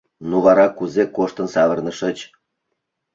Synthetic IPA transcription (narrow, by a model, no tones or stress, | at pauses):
nuβɑɾɑkuzekoʃt̪ə̆nsɑβə̆rnə̆ʃə̆t͡ɕ